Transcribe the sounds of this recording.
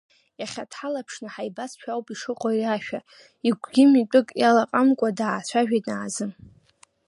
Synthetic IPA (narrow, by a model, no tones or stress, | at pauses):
jaχʲatʰħalapʰʂnɨħajbasʃʷᶣawpʼiʂɨqʼoiraʃᶣa | iɡʷɡʲɪmitʷʼʊɨkʼjalaqʼamkʷʼadaːt͡ɕʷʰaʒᶣajtʼnaʕːzɨ